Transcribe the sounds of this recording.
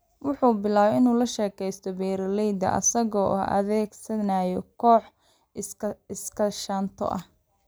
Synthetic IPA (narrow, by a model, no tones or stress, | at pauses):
wɑħuːbɪlaːβɛɪnuːlɐʃɛːkʰɛjst̪ʰɔbɛːɾɐlɛjd̪ɐ̰ʔɐ̰sɐɣɔːʔʔɐ̰ðɛːɡsɐnaːjɔkʰɔːħ | ɪskʰɐʃaːnt̪ʰɔ̰ʔɐh